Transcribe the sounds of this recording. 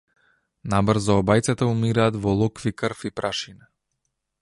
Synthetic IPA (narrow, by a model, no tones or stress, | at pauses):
nabr̩zɔːbajt̪sɛt̪aumiɾaːd̪vɔlˠɔkvikəɾfipɾʔaʃina